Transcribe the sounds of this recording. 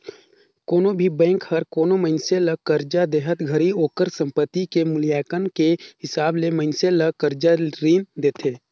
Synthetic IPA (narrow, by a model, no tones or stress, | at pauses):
koːnõbʱibɛ̃ːŋkhəɾkoːnoməɪnseləkəɾd͡ʒad̪eːɦət̪ɡʱəɾioːkəɾsə̃mpət̪ːikemʊlijaːkənkehɪsaːbleməɪnseləkəɾd͡ʒaɾiːnd̪eːt̪ʰeː